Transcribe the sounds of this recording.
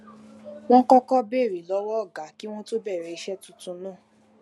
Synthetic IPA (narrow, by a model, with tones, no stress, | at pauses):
w̃ɔ̃˦kɔ˦kɔ˦be˦˨ɾi˨lɔ˨˦wɔ˦˨ɡa˨˦ki˦w̃ɔ̃˦to˦bɛ˦˨ɾɛ˨i˨˦ʃɛ˦tũ˧tũ˧nũ˦˨